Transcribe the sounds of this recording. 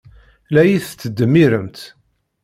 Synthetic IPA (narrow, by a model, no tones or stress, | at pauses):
læjiθːəd̪ːəmːiɾəmt̪